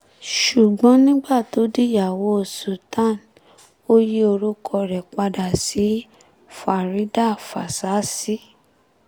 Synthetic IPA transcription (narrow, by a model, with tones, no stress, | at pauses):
ʃu˨ɡ͡bɔ̃˨˦nĩ˦ɡ͡ba˦˨to˨˦di˦ja˦˨wo˨˦˨su˨tã˦˨n | o˦ji˦o˧ɾu˦kʰɔ˧ɾɛ˨k͡pa˧da˨si˨˦ | fa˨ɾi˨˦da˦˨fa˨sa˨˦si˦